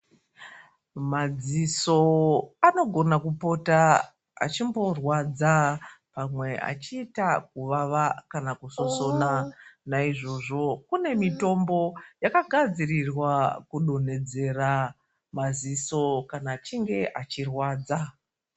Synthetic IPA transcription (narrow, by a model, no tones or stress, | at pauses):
mad͡ziso̞ano̞ɡʱo̞nakupo̞ta | a̰t͡ʃimbo̞rwad͡zapamwe̞a̰t͡ʃiːtakuʋaʋakanakuso̞so̞nanaiʐo̞ʐo̞kune̞mito̞mbo̞jakaɡʱad͡zirirwakuɗo̞ne̞d͡ze̞ra | mad͡ziso̞kanaːt͡ʃiŋɡe̞ʔat͡ʃirwaːd͡za